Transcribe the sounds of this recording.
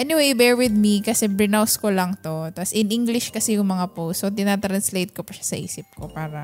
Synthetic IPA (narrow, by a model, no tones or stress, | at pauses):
ʔɛnɪwejbɛɹwɪd̪̚mikɐsɛbɾɪnawskolɐŋt̪ot̪ɐsʔɪnʔiŋɡlɪʃkɐsɛjʊŋmɐŋapowsot̪ɪnat̪ɾɐnslejt̪̚kopɐʃḁsɐʔḭːsɪp̚ko̞paːɾɐ